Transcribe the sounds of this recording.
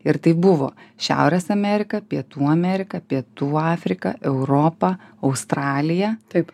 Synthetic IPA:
ɪɾt̪ɐɪbʊʋo̰ːʃʲæ̰ʊɾʲesɐmʲɛɾʲɪkɐpʲiɛt̪uːɐmʲɛɾʲɪkɐpʲiɛt̪uːɑːfʲɾʲɪkɐ̰ʔɛʊɾoːpɐɐʊst̪ɾɑːlʲɪjɛt̪ɐɪp

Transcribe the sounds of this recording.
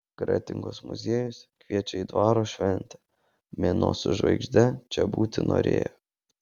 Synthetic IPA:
ɡ̥ɾɑ̰ːt̪ʲɪŋɡoːsmʊ̰zʲeːjʊskʋʲiɛt͡ʃʲɛiːd̪ʋɑːɾoːʃʲʋʲɛnʲt̪ʲɛ | mʲeno̰ːsʊʒʋɐ̰ɪɡʒʲd̪ʲɛt͡ʃʲɛbuːt̪ʲɪno̰ːɾʲḛːjo

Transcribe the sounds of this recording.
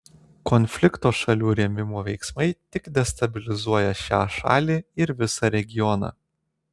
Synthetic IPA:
kɔnʲfʲlʲɪkt̪oːʃɐlʲuːɾʲɛmʲɪmoːʋʲɛɪksmɐɪt̪ʲɪkd̪ʲɛst̪ɐbʲɪlʲɪzuɔjɛʃʲæːʃɑ̰ːlʲiːɪɾʋʲɪsɑɾʲɛɡʲɪjɔnɑ̰ː

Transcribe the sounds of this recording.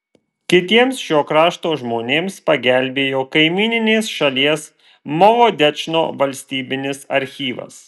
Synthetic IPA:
kʲɪt̪ʲiɛmsʃʲoːkɾɑːʃt̪oːʒmoːnʲeːmspɐɡʲælʲbʲeːjoːkɐɪmʲiːnʲɪnʲeːsʃɐlʲiɛs | mɔʋoːd̪ʲɛt͡ʃno̰ːʋɐlʲsʲt̪ʲiːbʲɪnʲɪsɐ̰ɾʲxʲiːʋɐ̰s

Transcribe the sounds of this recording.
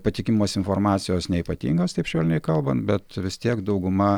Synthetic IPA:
pɐt̪ʲɪkʲɪmmoːsɪnfoːɾmɑːt̪sʲɪjoːsnʲɛiːpɐt̪ʲḭːŋɡɐst̪ɐɪpʃʲoːlʲɪnʲɛɪkɐlˠbɐnt̪bʲɛt̪ʋʲɪst̪ʲiɛkd̪ɐʊɡʊmɐ

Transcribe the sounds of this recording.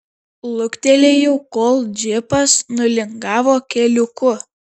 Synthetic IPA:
lˠʊkʲt̪ʲɛlʲeːjɛʊkoːlˠd͡ʒʲɪpɐsnʊlʲɪŋɡɑːʋoːkʲɛlʲʊkʊ

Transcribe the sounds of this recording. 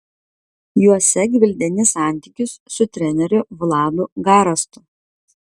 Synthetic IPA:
juɔsʲɛɡʲʋʲɪlʲd̪ʲɛnʲɪsɑˑnʲt̪ʲiˑkʲʊsːʊt̪ʲɾʲɛnʲɛɾʲʊʋlˠɑːd̪ʊɡɑːɾɐst̪ʊ

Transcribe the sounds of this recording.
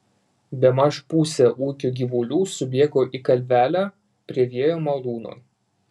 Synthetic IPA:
bʲɛmɐʃpuːsʲɛʔuːkʲuːɡʲiːʋulʲuːsʊbʲiɛɡoːʔikɐlʲʋʲæːlʲæː | pʲɾʲiɛʋʲiɛjoːmɐlˠuːno̰ː

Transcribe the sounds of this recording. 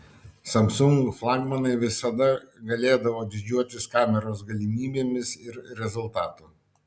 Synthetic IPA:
sɐmsʊŋɡʊflˠɑːɡmɐnɐɪʋʲɪsɐd̪ɐɡɐlʲeːd̪ɐʋoːd̪ʲɪd͡ʒʲuɔt̪ʲɪskɑːmʲɛɾoːsɡɐlʲɪmʲiːbʲeːmʲɪsɪɾɾʲɛzʊlˠt̪ɑːt̪u

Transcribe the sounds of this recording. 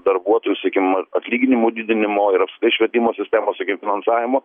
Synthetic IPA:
d̪ɐɾbuɔt̪oːjusɐkʲɪmɐɐt̪ʲlʲiːɡʲɪnʲɪmuːd̪ʲɪd̪ʲɪnʲɪmoːɪɾɐpsɐkʲt̪ɐɪʃʲʋʲiɛt̪ʲɪmoːsʲɪsʲt̪ʲæːmoːsɐkʲɪmfʲɪnɐnsɑːʋʲɪmoː

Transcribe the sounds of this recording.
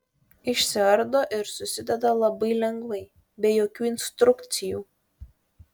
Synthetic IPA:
ɪʃʲsʲɪɐɾd̪oːʔɪɾsʊsʲɪd̪ʲɛd̪ɐlˠɐbɐɪlʲɛŋɡʋɐɪ | bʲɛjoːkʲuːɪnʲst̪ɾʊkt̪sʲɪjuː

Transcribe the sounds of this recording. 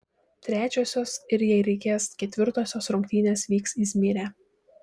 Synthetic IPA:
t̪ʲɾʲæːt͡ʃʲoːsʲoːsɪɾjɛɪɾʲɛɪkʲeːskʲɛt̪ʲʋʲɪɾt̪oːsʲoːsɾʊŋʲkʲt̪ʲiːnʲeːsʋʲiːksisʲmʲiːɾʲæː

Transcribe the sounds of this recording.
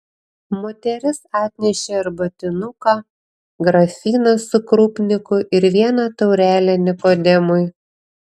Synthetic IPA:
mot̪ʲɛɾʲɪsɑːt̪ʲnʲɛʃʲeɐɾbɐt̪ʲɪnʊkɑː | ɡɾɐfʲiːnɐsʊkɾuːpʲnʲɪkʊʔɪɾʋʲiɛnɐt̪ɒʊɾʲæːlʲɛnʲɪkoːd̪ʲɛmʊj

